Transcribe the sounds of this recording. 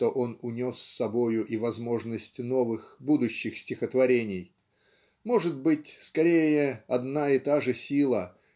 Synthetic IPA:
t̪o̞ʔo̞nʊnʲo̞sʲːɐbo̞jʊʔivɐzmo̞ʐnəsʲtʲno̞vɨxbud̪ʊɕːɪxsʲtʲɪxət̪vɐɾʲenʲɪj | mo̞ʐɨt̪bɨtʲskɐɾʲejəɐd̪naɪt̪aʐɨsʲilˠə

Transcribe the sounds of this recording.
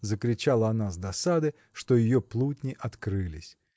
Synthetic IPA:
zəkɾʲɪt͡ɕalˠəɐnazd̪ɐsad̪ɨ | ʂt̪o̞jɪjoplˠutʲnʲɪʔɐt̪kɾɨlʲɪsʲ

